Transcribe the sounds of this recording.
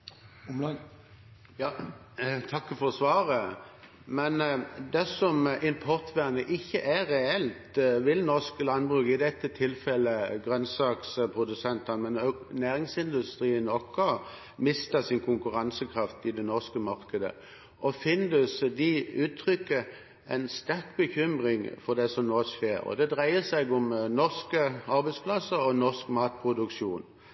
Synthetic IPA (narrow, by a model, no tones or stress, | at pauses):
jɑː | t̪ʰɑkːəfɔsʋɑːɾə | mɛnd̪ɛsɔmʔɪmpʰɔʁt̪ʰʋæːʁnəʔɪçːəʔæʁɛɛlt̪ʋɪlnɔʁskəlɑnbʁʉːkɪd̪ɛt̪ːət̪ʰɪlfɛlːəɡʁœnsɑːkspʰʁʊd̪ʉsɛnt̪ɑnmɛnnæːɾɪŋsɪnd̪ʉst̪ɾiːənɔkːɔ | mɪst̪ɑsɪnkʰʊŋkʉʁɑnsəkʰʁɑft̪ɪd̪ɛnɔʁskəmɑʁkəd̪ə̰ | ʔɔfɪnd̪ʉsd̪iʉːt̪ʰːʁʏkːə | ʔæɪnst̪æʁkbəçʏmʁɪŋfɔʁd̪ɛsɔmnoːsʃeːɾɔ̰d̪ɛd̪ʁæɪəsæɪɡʊmnɔʁskəɑɾbæɪspʰlɑsːəɔnɔʁskmɑːt̪̚pʰʁʊd̪ʉkʃuːn